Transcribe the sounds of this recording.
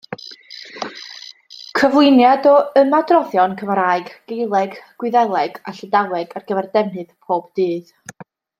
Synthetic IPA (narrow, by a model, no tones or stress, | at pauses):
kʰəvlˠɨnjadɔəmadrɔðjɔnkʰəvraːɨɡɡ̥ejlˠɛɡɡ̥wɪðɛlˠɛɡa̰ɬədalˠɛɡarɡ̥əvɛrdɛvnɨðpʰoːb̥d̥ɨːð